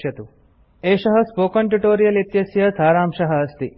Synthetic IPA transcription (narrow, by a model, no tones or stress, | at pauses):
jɐt̪u | eːʃɐɦɐspoːkɐɳʈuʈoːɾijɐlit̪jɐsjɐsaːɾaːmʃɐɦɐ̆ɐst̪i